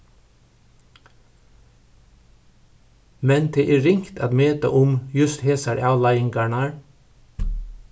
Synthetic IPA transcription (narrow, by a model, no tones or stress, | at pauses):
mɛnd̪ʰeːʔeːɾɪŋkt̪ʰɑːd̪møːt̪ə̰ʔʊmjʉst̪heːsɑɾʔɑːʋlɑɪɪŋɡɑːɳɑɹ